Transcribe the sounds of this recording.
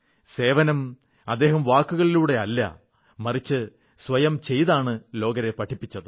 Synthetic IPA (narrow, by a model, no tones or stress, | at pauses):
se̞ːʋɐnɐm | ɐd̪ːe̞ːɦɐmʋaːkːuɣɐɭiluːɽe̞ɐlːɐ̰ | mɐrit͡ɕːɨ | sʋɐjɐmt͡ɕe̞jðaːɳɨlo̞ːɡɐɾe̞pɐʈʰːipːit͡ɕːɐðɨ